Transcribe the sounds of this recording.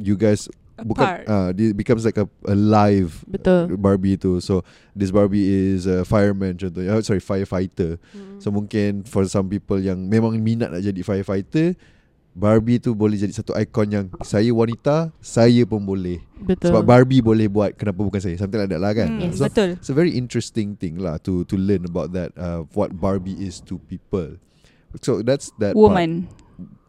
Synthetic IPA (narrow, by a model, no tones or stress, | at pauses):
juɡajs | bukkanadibikams̬lajkəʔəlajvbəʊlbaɹbit̪uso | dis̬baɹbiɪsəfajəmə̃nt͡ʃɔ̃nt̪̬usɔɹifajəfajt̪əsomũŋkɪnfɔsãmpipəljaŋmẽmãŋmĩna̰ʔ̪̚na̰ʔd͡ʒadifajəfajt̪ə | baɹbit̪ubolɛhd͡ʒadisat̪uʔajkɔnjaŋsajəwanit̪asajəpʊnbolɛht̪əbap̚baɹbibolɛhbuat̪̚kənapabukans̬ajəsamt̪aladaʔ̚lahkanɛsoət̪ʊlsəvɛɹiʔĩntɹɛst̪ɪ̃ŋt̪ɪ̃ŋla̰ht̪ut̪ulənəbawt̪̚d̪ɛt̚əwɔt̚baɹbiʔɪst̪upipəl | sod̪ɛtsd̪ɛtwumə̃n